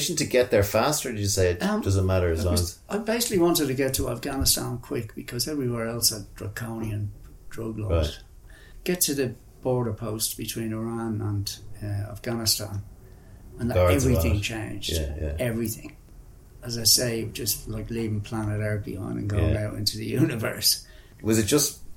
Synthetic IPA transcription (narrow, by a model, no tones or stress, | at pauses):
ɪʃntʰɨɡɛt̪̚ðə˞fæstə˞dɨd͡ʒɨseɪɨt̚ʌd̥ʌz̃nmaɾə˞zaɪbeɪsɪ̥kliwɑ̃ntɪd̚tɨɡɛtʰəa̰fɡ̥anɪstãnkʰw̥ɪkb̥ɨkʰʌzɛvɹiwɛɹɛlˠsət̚d̥ɹə̰kʰõʊ̃niə̃n | d̥ɹʌɡlɔ̰ɹd | ɡ̥ɛtʰɨðə | b̥ɔɹɾə˞pʰoʊstb̥ɨtʰw̥ĩnɪɹãnə̃nʌa̰fɡ̥anɨstã̰n | ə̃nðəɛvɹiθɪ̃ŋt͡ʃʰẽɪ̃nd͡ʒ̰ɛvɹiθɪ̰̃ŋ | əzaɪseɪd͡ʒʌstlaɪklivɪ̃ŋpʰl̥ãñɪɾaɹkḭə̰̃nə̰̃nɡoʊɪaʊɾɪ̰̃ntuðɨ̰jʉnɨvɜ̰˞s | wʌzɨt̚d̥ʒ̥ʌst